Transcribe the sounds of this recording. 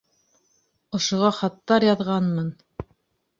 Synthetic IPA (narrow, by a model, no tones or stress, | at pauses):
ŏʃŏʁɑχɑt̪ːɑɾjɑðʁɑnmɑn